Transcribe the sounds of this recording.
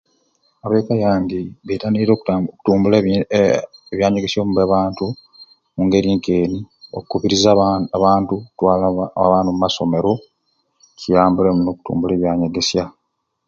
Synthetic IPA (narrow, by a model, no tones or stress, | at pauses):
aβekajaːndiβetaniɾo̞ːkuoku̥tuːmbul | eβjaːɲeɡesjo̞ːmuβeβaːntu | muŋɡe̞ɾiːŋke̞ːniokukuβiɾizaβaːntukutwaːlaβaːnummaso̞me̞ɾo̞ | cijaːmbulemuno̞ːku̥tṵːmbule̞ːβjaːɲeɡe̞sja